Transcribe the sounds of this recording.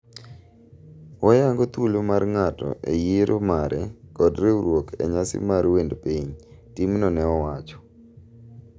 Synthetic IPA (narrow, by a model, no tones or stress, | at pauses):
ɔjaŋɡot̪ulomarŋatɔ̰ʔejeɾʔomaɾɛkɔdɾeuɾwokɛ̰ɲasɪ̰maɾwendpiɲtimnɔnɛɔwat͡ʃɔ̥